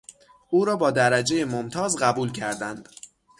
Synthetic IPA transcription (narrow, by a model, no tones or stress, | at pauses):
ʔuːɾɒːbɒːd̪æɾæd͡ʒe̞jemomt̪ʰɒːzɢæbuːlcʰæɾd̪ænd̪̥